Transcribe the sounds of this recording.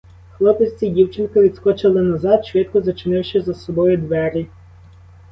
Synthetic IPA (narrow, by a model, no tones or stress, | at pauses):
xlˠɔpesʲt͡sʲidʲiwt͡ʃɪnkɐʋʲid̪skɔt͡ʃɪlˠɪnɐzɑd̪ʃʋɪt̪̚kɔzɐt͡ʃɪnɪwʃɛzɐsɔbɔjʊd̪ʋɛɾʲi